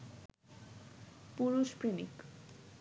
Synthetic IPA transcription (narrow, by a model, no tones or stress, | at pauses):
puɾuʃpɾinḭk